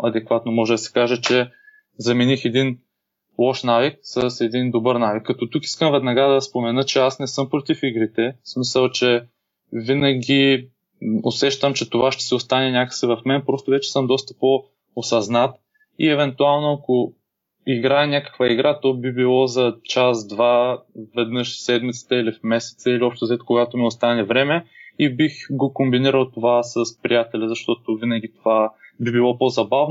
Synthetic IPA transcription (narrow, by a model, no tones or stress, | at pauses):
ɐd̪ɛkvat̪nomɔʒɛd̪ɐsɛ̥kaʒɛt͡ʃɛ | zɐminixɛd̪in | lˠɔʃnavik̚sɐsɛd̪ind̪obəɾnavikːɐt̪ɔt̪uki̥skəmvɛd̪nɐɡad̪ɐspomɛnɤt͡ʃɛasnɛsɤmpɾot̪ifiɡɾit̪ɛsmisəlˠt͡ʃɛ | vinɐɡi | o̰sɛʃt̪əmt͡ʃɛt̪ovaʃt̪ɛ̥sɛost̪anɛnʲakə̥sivɐfmɛnpɾɔst̪ovɛt͡ʃɛ̥sɤmd̪ɔst̪ɐ̥po | osɐznat̪ | iɛvɛnt̪ualˠnoɐko | iɡɾaɛnʲakə̥kvəiɡɾat̪ɔbibilˠɔzɐt͡ʃasd̪vavɛd̪nɤʃsɛd̪mit̪sə̥t̪əilifmɛsɛ̥t̪səiliɔpʃt̪ozɛt̪koɡat̪omiost̪anɛvɾɛmɛibixɡokombiniɾəlˠt̪ovasəspɾijat̪ɛlʲɐzɐʃt̪ɔt̪ovinɐɡ̟it̪ovabibilˠɔpozɐbavn